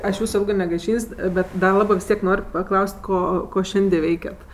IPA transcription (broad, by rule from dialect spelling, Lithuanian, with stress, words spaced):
ˈɐʃ ˈjuːsʊ ˈɪlˠɡɜ nʲɛɡɐɪˈʃʲiːnʲsʲ ˈbʲɛt dɐ ˈlˠɑːbɜ ʋʲɪs ˈtʲiɛk ˈnoːrʲ pɐˈklˠɐʊsʲtʲ ˈkoː ˈkoː ˈʃʲɛnʲdʲɪ ˈʋʲɛɪkʲɛt